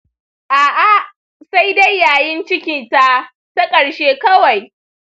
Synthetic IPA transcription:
ʔaː˨ʔa˦ | sa˦jda˦jːaː˨jɪ˦nt͡ʃɪ˦kʲiː˨ta˦ | ta˦kʼɐ˨ɽʃeː˦kɐ˦wa˨j

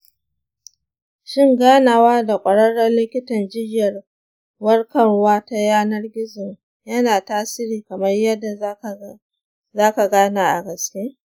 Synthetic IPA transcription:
ʃɪ˦ŋɡaː˦naː˨waː˦da˨kʷʼɐ˨ɽɐ˦ɽːɐ˦nlɪ˦kʲɪ˦tɐ˨nd͡ʒɪ˦jɐ˨r | wɐ˦rkɐ˦ŋwaː˦ta˦jaː˦nɐ˦rɡʲɪ˦zɪ˨ŋ | jɐ˦naː˨taː˦sɪ˦ɾiː˨kɐ˨mɐ˦rjɐ˦dːa˨˦˨ | zaː˦ka˨ɡaː˦naː˨ʔa̰˨ɡɐ˨skʲeː˦

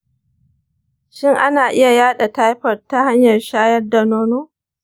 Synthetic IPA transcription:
ʃɪ˦ŋʔa˦naː˨ʔɪ˦ja˨jaː˦ɗa˨ta˦jɸɐ˨rta˦ha˦ɲjɐ˨rʃaː˦jɐ˦rda˨noː˦noː˦

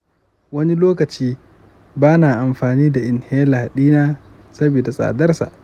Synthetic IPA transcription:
wɐ˦ni˦loː˦kɐ˨t͡ʃiː˦ | baː˦naː˨ʔa˨mɸaː˨niː˦da˨ʔɪ˨nheː˦laː˨ɗiː˦naː˦ | sɐ˦biː˨da˨sʼa̰ː˨dɐ˦rsa̰˨ʔ

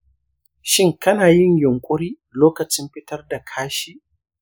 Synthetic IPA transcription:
ʃɪ˦ŋkɐ˦naː˨jɪ˦ɲjʊ˨ŋkʷʼʊ˦ɾiː˦ | loː˦kɐ˨t͡ʃɪ˦mɸɪ˦tɐ˦rda˨kʰaː˦ʃi˦

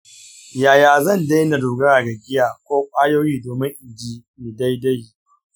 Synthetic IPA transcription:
jaː˨jaː˨zɐ˦˨nda˦jna˨duː˨ɡɐ˦ɽaː˨ɡa˨ɡʲɪ˦jaː˨kʷoː˦kʷʼaː˦joː˦jiː˦doː˨mɪ˦ŋʔɪ˨d͡ʒiː˦ | mi˨da˦jda˦j

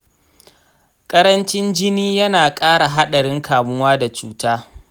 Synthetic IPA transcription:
kʼɐ˦ɾɐ˦nt͡ʃɪ˦nd͡ʒɪ˦niː˦jɐ˦naː˨kʼaː˦ɽa˨ɦa˦ɗɐ˨ɽɪ˦ŋkʰaː˨mʊ˦waː˦da˨t͡ʃuː˦taː˦

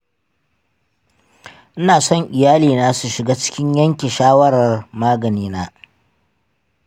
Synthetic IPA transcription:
ʔɪ˦naː˨sɔ˦ŋʔɪ˨jaː˦liː˨naː˦su˨ʃɪ˨ɡaː˦t͡ʃɪ̥˦kʲɪ˦ɲjɐ˦ŋkʲi˨ʃaː˦wɐ˦ɽɐ˨rmaː˦ɡɐ˨niː˦naː˦

